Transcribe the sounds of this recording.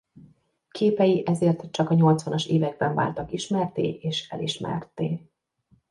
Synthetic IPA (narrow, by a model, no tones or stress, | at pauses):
kʰeːpɛjiʔɛzeːrt̪t͡ʃɒkɒɲo̞lt̪sʋɒnɒʃeːvɛɡ̚bɛɱva̰ːlt̪ɒkiʃmɛrt̪ḛːʔeːʃɛ̰liʃmɛ̰rt̪eː